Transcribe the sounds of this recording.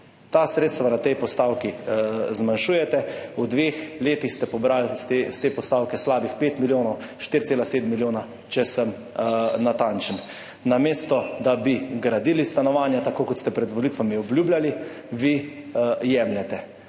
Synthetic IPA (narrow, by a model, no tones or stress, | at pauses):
t̪asɾet̪st̪ʋanat̪ɛjpɔst̪awkizmanʃuːjɛt̪ɛud̪ʋexleːt̪ixst̪ɛpɔbɾalst̪est̪eːpɔst̪aːwkɛslaːbixpeːt̪miljoːnɔw | ʃt̪iɾt̪seːlaseːd̪miljoːna | t͡ʃɛsəm | nat̪ant͡ʃən | nameːst̪ɔd̪abiɡɾad̪iːlist̪anɔʋaːnjat̪akoːkɔt̪st̪ɛpɾɛd̪ʋɔlit̪ʋamiɔblʲjuːblali | ʋi | jɛmljɛt̪ɛ